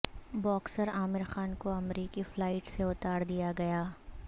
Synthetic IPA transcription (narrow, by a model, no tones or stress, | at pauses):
bɔːksəɾaːmɪɾxaːnkoɐmɾiːkiflaːɪʈseʊt̪aːɾd̪ijaɡɐjaː